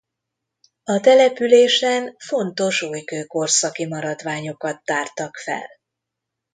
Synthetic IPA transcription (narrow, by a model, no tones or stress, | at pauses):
ɒt̪ɛlɛpyleːʃɛnfo̞nt̪o̞ʃuːjkøːko̞rsɒkimɒɾɒd̪ʋaːɲo̞kɒt̪ːaːrt̪ɒkfɛ̰l